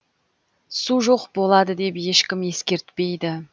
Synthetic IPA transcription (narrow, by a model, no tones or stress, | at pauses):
suʒo̞qbo̞lˠɑd̪əd̪e̞pje̞ʃkʲɪmje̞skʲe̞ɾt̪pe̞jd̪ɪ